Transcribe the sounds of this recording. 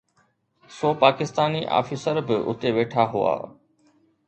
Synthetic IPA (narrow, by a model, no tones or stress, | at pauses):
soːpaːkɪst̪aːniʔa̰ːfisəɾbɪʔʊ̰t̪eʋeːʈʰaɦʊa̰ː